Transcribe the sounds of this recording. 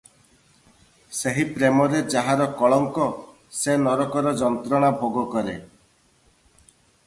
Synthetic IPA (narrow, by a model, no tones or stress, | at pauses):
seɦipɾemɔɾed͡ʒaɦaɾɔkɔɭɔŋkɔ | senɔɾɔkɔɾɔd͡ʒɔnt̪ɾɔɽ̃abʱoɡɔkɔɾe